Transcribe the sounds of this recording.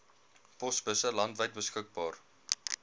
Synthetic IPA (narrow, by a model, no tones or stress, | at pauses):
pɔsbəsəlɐntvəjt̚bəskək̚bɑːr